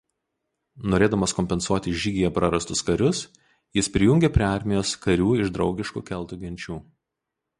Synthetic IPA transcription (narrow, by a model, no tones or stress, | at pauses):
noːɾʲeːd̪ɐmɐskɔmʲpʲɛnsuɔt̪ʲɪʒʲiːɡʲɪjɛpɾɐɾɐst̪ʊskɐɾʲʊs | jɪspʲɾʲɪjʊŋʲɡʲeːpʲɾʲeɑˑɾʲmʲɪjoːskɐɾʲuːɪʒd̪ɾɒʊɡʲɪʃkṵːkʲɛlˠˑt̪uɡʲɪnʲt͡ʃʲuː